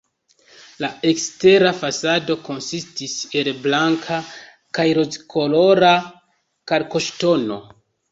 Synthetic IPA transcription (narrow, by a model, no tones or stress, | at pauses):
lae̞kste̞ɾafasado̞ko̞nsistise̞lblaŋkʰa | kajɾozkʰo̞lo̞ɾa | kaɾko̞ʃto̞no̞̰